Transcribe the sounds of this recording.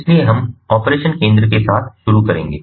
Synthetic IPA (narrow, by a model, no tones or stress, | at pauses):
ɪslieɦɐmɔːpɾeːʃənkẽːnd̪ɾəkesaːt̪ʰʃʊɾukɐɾẽːŋɡeː